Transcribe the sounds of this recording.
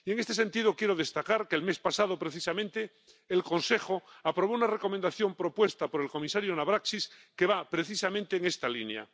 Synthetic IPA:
ieŋe̞st̪e̞se̞nt̪iðo̞kjeɾoðe̞st̪akaɾkelme̞spasaðo̞pɾe̞θisamẽ̞nt̪e̞ː | lko̞nse̞xo̞apɾo̞β̞ounare̞ko̞mẽnd̪aθjo̞mpɾo̞pwe̞st̪apo̞ɾe̞lko̞misaɾjonaβɾaksiske̞βapɾe̞θisamẽnt̪eːŋe̞st̪alinea̰

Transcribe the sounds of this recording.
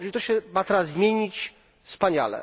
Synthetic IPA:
ɾit̪ɔɕɛmat̪ɛɾazzmʲjeɲit͡ɕ | fspaɲa̰lɛ̰

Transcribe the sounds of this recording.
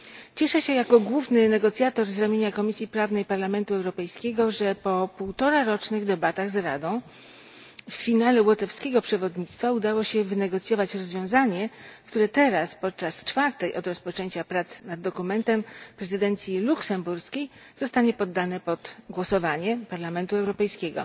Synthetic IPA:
t͡ɕɛʂɛɕɛjakɔɡwuvnɘnɛɡɔt̪sʲjat̪ɔɾzɾamʲjeɲakɔmʲisʲjipɾavnɛjpaɾlamɛnt̪uɛwɾɔpɛjskʲɛɡɔʐɛpɔpuwt̪ɔɾaɾɔt͡ʂnɘɣd̪ɛbat̪aɣzɾa̰d̪ɔ̃w̃ | fːʲinalɛwɔt̪ɛfskʲɛɡɔpʂɛvɔd̪ɲit̪st̪faud̪awɔɕɛvɘnɛɡɔt̪sʲjɔvat͡ɕɾɔzvʲjɔ̃w̃zaɲɛkt̪uɾɛt̪ɛɾaspɔt̪̚t͡ʂast͡ʂfaɾt̪ɛjʔɔd̪ɾɔspɔt͡ʂɛɲt͡ɕapɾat̪snad̪ːɔkumɛnt̪ɛmpɾɛzɘd̪ɛnt̪sʲjiluksɛmbuɾskʲej | z̥ɔst̪aɲɛpɔd̪ːanɛpɔt̪ɡwɔsɔvaɲɛpaɾlamɛnt̪uɛwɾɔpɛjskʲeɡɔ̰

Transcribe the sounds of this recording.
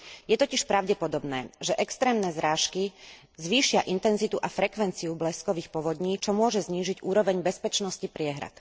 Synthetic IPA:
jɛt̪ɔciʃpɾaʊɟɛpɔd̪ɔbnɛ̰ːʒɛʔɛkst̪ɾɛːmnɛzɾaːʃki | zʋiːʃɪaʔint̪ɛnzit̪uʔafɾɛkʋɛnt͡siublɛskɔʋiːxpɔʋɔd̪ɲiːt͡ʃɔmʊɔʒɛzɲiːʒiɟuːɾɔʋɛɲbɛspɛt͡ʃnɔscipɾɪɛɦɾa̰t̪

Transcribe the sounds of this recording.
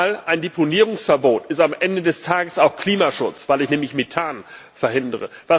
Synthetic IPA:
lʔaɪndepʰoniːʁ̞ʊŋsfɛɐboːtɪstamʔɛndədɛstʰaːɡəsaʊxkʰl̥iːmaʃʊt͡sv̥aɪlɪçnɛːmlɪçmetʰaːn | fɛɐhɪndəʁə̰v̥a

